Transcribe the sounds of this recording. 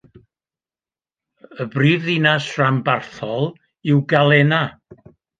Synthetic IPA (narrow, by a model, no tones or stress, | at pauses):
əbriːvðinasrambarθɔlˠ | ɪwɡalˠɛna